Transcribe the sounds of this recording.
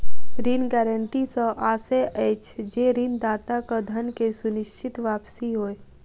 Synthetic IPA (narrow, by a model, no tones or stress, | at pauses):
ɾinɡɛːɾəɳʈisə̃ʔaːseʔɛːt͡ʃd͡ʒeɾind̪aːt̪akad̪ʱənkesʊnɪʃt͡ʃʰɪt̪ʋaːpsiɦoːe